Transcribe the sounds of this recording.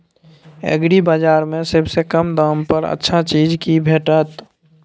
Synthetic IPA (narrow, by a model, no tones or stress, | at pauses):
ə̰ɡɾibaːd͡ʒaːɾmẽsəbsekəmd̪aːmpəɾə̰tːʃʰat͡ʃiːd͡ʒkibʱeːʈət̪